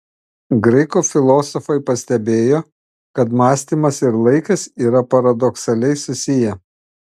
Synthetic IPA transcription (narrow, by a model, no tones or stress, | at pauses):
ɡɾɐɪkufʲɪlˠoːsɔfɐɪpɐsʲt̪ʲɛbʲeːjoː | kɐt̪mɑːsʲt̪ʲiːˑmɐsɪɾlˠɐɪkɐsiːɾɐpɐɾɐd̪ɔksɐlʲɛɪsʊsʲɪjɛ